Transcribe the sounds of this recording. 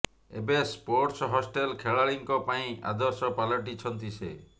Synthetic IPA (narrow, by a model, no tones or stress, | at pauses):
ḛbespoɾʈsɔɦɔsʈelkʰeɭaɭiŋkɔpaĩa̰d̪ɔɾsɔpalɔʈit͡ʃʰɔnt̪ise